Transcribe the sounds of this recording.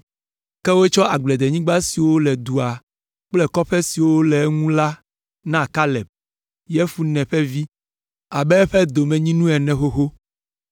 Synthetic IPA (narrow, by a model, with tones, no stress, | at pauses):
kɛ˦wo˦t͡ʃɔ˦a˨ɡ͡blɛ˨d̪e˨ɲĩ˦ɡ͡ba˦si˨wo˦lɛ˨d̪u˨a˨ | k͡plɛ˦kɔ˦ɸɛ˦si˨wo˦lɛ˨˦ŋũ˦la˦ | nã˦˨ka˦lɛ˨b̚ | jɛ˦fu˦nɛ̃˨ɸɛ˦vi˦ | a˨bɛ˦ɸɛ˦d̪o˨mɛ̃˨ɲĩ˦nũ˦ɛ˨nɛ̃˨xo˦xo˦